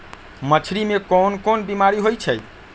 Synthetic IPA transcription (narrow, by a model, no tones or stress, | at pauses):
mət͡ʃʰɾimekɔnkonbimaɾiɦojt͡ʃʰəj